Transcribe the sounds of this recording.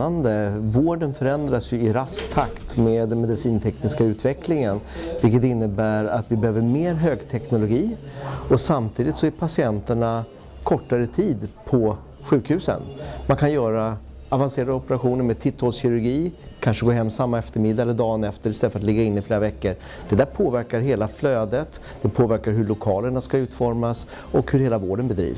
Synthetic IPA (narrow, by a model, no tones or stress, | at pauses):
and̪əvoːɖənfœɾɛnd̪ɾasjɵɪɾaskt̪ʰakt̪meːd̪ːɛnmɛd̪ɪsiːnt̪ʰɛknɪskaʉ̟ːt̪vɛklɪŋənvɪlkət̪ɪnːəbæːɾat̪vɪbɛhøːvəɾmeːɾɦøːɡt̪ʰɛknʊlʊɡiːɔsamt̪ʰiːd̪ɪt̪sɔæɾpʰasɪɛnt̪əɳa | kʰɔʈːaɾət̪ʰiːd̪pʰɔ | ɧʉ̟ːkhʉ̟ːsə̰nmankʰanjœːɾa | avanseːɾad̪əɔpɛɾaɧuːnəɾmeːd̪̚t̪ʰɪt̪ʰːɔlsɕɪɾɵɾɡiː | kʰanʂəɡoːɦɛmːsamːaɛft̪əɾmɪd̪ːaɛlːəɖɑːnɛft̪əɾɪst̪ɛlːəfəɾat̪lɪɡːaɪnːɪfleːɾavɛkːəɾ | d̪̥ɛd̪æːɾpʰoːvæɾkaɾɦeːlafløːd̪ət̪ | d̪̥ɛpʰoːvæɾkaɾɦɵɭʊkʰɑːləɳaskaʉ̟ːt̪fɔɾmas | ɔkhɵɾheːlavoːɖənbɛd̪ɾḭːvs